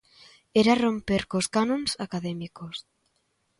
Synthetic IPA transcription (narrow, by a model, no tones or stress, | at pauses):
eɾarompeɾkoskanõnsakaðɛmikos